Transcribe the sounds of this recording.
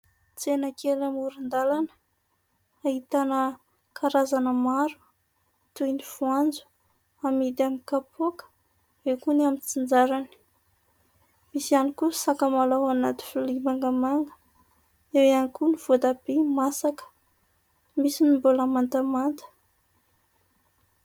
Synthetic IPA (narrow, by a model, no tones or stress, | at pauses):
t͡senəkʰelamuɾind̪alanə̥ | aɦit̪anə | kʰaɾazanəmaɾu̥ | t̪ujniv̥uand͡zu̥ | amid̪amikapʰokə̥ | ekunamit͡sind͡zaɾani̥ | misianikusakəmalawanat̪i̥fulimaŋɡamaŋɡə̥ | ewanikuniv̥od̪abemasakə̥ | misinimboləmant̪amant̪ə̥